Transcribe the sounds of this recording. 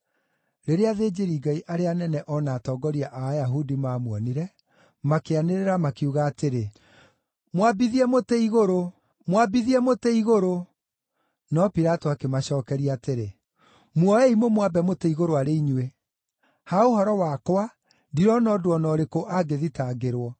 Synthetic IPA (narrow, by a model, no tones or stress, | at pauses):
ɾeɾeaðeːd͡ʒeɾiɡaiʔaɾeanɛnɛʔɔnaːtɔːɡɔɾiaʔaːjaɦudimaːmwɔniɾɛ | makeaneɾeɾamakeuɣaːteɾe | mwabiðiɛmoteiɣoɾo | mwabiðiɛmoteiɣoɾo | nɔpiɾatoakemaɕɔːkɛɾiaːteɾe | mwɔɛimomwabɛmoteiɣoɾoaɾeiɲwe | haohɔɾɔwakowa | diɾɔnɔdoɔnɔɾekoʔaɡeðitaɡeɾwɔ